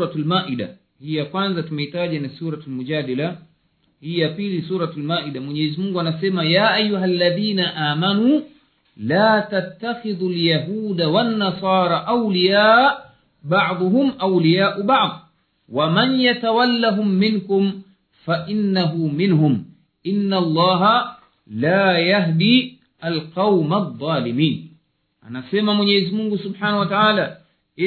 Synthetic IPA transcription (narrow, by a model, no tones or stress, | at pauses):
ɾatlmaːʔiɗa̰ | hiːjakwanzatumɛitaʄanasuːɾatalmud͡ʒaːdala | hijapilisuːɾatalmaːʔidamwɛɲɛːzimuŋɡuanasɛmajaːʔajːuɦalːaðiːnaʔaːmanuː | laːtat̪ːaxɪðuljaɦuːdawanːasɑːɾˤɑʔawlijaːʔ | bɑʕd̪ˤʊɦʊmʔawlijaːʔʊbɑʕd̪ˤ | wamanjat̪awalːaɦʊmːɪnkʊm | faʔɪnːaɦumɪnɦʊm | ʔɪnːalˤːɑːɦa | laːjaɦd̪i | alqɑwmaðˤːɑːlɪmiːn | ʔa̰nasɛmamwɛɲɛːzimuŋɡusʊbħaːnawataʕaːla